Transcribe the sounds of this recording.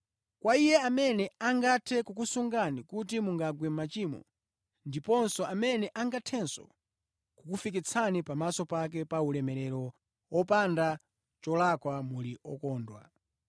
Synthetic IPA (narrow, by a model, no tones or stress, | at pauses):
kwaijɛamɛnɛaŋɡatʰɛkukusuŋɡanikut̬imuŋɡaɡwɛmmat͡ʃiːmɔ̰ | ndipɔnsɔʔamɛnɛʔaŋɡatʰɛnsɔ̰ | kukufik̬it͡sʰanipamasɔpak̬ɛpaulɛmɛɾɛɾɔ | wɔpanda | t͡ʃɔlakwamuliʔɔkɔːndwa̰